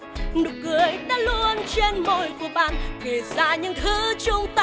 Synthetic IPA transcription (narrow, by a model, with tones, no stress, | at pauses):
nɨ˨˩kɨ˨˩əjɗa̰ː˧˥lu˧ənt͡ɕe˧nmo˧˩jku˧˩əɓa̰ː˧˨nke˨˩zaː˧˩ɲɨ̰˧˥ŋt̪ʰɨ˨˦t͡ɕʊ˧ŋ͡mt̪a˧